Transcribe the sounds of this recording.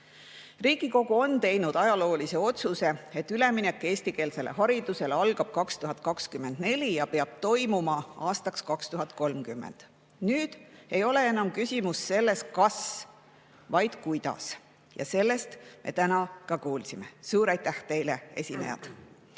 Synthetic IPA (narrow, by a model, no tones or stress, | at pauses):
riːɡ̥iko̞ɡuo̞nt̪e̞jnud̪̥ɑjɑlo̞ːlise̞o̞t̪suse̞e̞t̪ːˑyle̞minekːˑe̞ːsʲt̪ike̞ːlse̞le̞̰ɦɑɾid̪̥use̞leɑlɡ̥ɑb̥̚kɑkst̪uɦɑt̪̚ˑkɑkskymːe̞nd̪ne̞lʲijɑpe̞ɑb̥̚t̪o̞jmumɑɑːst̪ɑkskɑkst̪uɦɑt̪̚ko̞lmkymːḛnd̪̥ | nyːd̪̥e̞jo̞le̞e̞nɑmkysʲimusːe̞lːe̞st̪̚kɑs | vɑjd̪̥kujd̪̥ɑ̰s | jɑ̰se̞lːe̞st̪mʔe̞̰t̪ænɑkɑkuːlsimesuːɾɑjt̪ːæht̪e̞jle̞e̞̰sʲinḛjɑ̰t̪